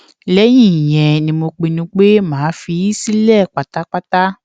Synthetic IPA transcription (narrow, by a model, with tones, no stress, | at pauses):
lɛ˨˦j̃ĩ˦˨j̃ɛ̃˨nĩ˧mo˧k͡pi˧nũ˧˦k͡pe˦mãː˨˦fi˧˦i˦si˦lɛ˦˨k͡pa˨ta˨˦k͡pa˦ta˦